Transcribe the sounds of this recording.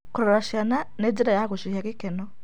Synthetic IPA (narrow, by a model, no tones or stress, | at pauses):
kuɾɔɾaʃjananɛd͡ʒiɾajakoʃihakekɛnɔ